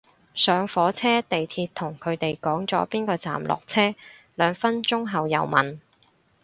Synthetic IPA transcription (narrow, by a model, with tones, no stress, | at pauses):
sœː˨˧ŋfɔː˨˥t͡sʰɛː˥t̪e˨jt̪ʰiː˧t̚t̪ʰʊ˨˩ŋkʰɵ˨˧ɥt̪e˨jkɔː˨˥ŋt͡sɔː˨˥piː˥nkɔː˧t͡sa̰ː˨mlʔɔ̰ː˨k̚t͡sʰɛː˥ | lœː˨˧ŋfɐ˥nt͡sʊ˥ŋɦɐ˨wjɐ̰˨˩wmɐ̰˨n